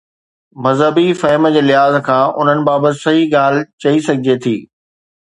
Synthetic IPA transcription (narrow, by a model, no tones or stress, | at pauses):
mɐzɦəbifɐɦməd͡ʑeːlɪɦaːzkʰãːʔʊn̤ənɪ̆baːbət̪ɪ̆sɐɦiɡaːl̤ɪt͡ɕɐisɐɡʱɪd͡ʑet̪ʰḭː